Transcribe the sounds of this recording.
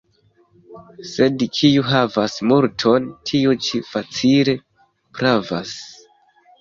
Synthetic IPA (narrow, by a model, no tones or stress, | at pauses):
se̞dkʰijuɦavasmuɾtʰontʰiut͡ʃifat͡sile̞ | pɾava̰s